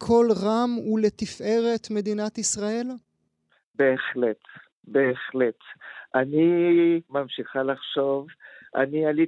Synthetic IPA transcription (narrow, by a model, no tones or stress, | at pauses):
kʰo̞lʁamulet̪ifʔe̞ʁe̞t̪me̞d̪inat̪isʁael | beːχlet | beːχlet̪ʔanimamʃiχalaχʃovʔa̰niali